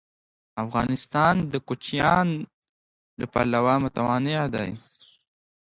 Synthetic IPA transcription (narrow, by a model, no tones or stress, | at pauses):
afɣɑnɪst̪ɑnd̪əkʊt͡ʃjɑn | lapa̰lawɑmʊt̪awɑnɪʕd̪a̰j